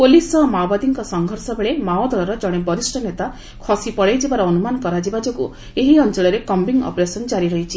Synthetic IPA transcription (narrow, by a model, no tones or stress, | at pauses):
polisɔmawbad̪iŋkɔsɔŋɡʱɔɾsɔbeɭemaod̪ʱɔɾɔɾɔd͡ʒɔɽ̃ebɔɾisʈʰɔnet̪a | kʰɔsipɔɽejd͡ʒibaɾɔːnumankɔɾad͡ʒibad͡ʒɔkṵ | eɦiɔnt͡ʃɔɭɔɾekɔmbiŋɔ̰pɾesɔnd͡ʒaɾiɾɔɦit͡ʃʰi